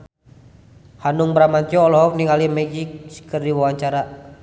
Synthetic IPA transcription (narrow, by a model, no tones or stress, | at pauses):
hanuŋbɾamant̪jɔɔlɔɦɔk̚niŋalimɛd͡ʒikskərdiwawaɲt͡ʃaɾa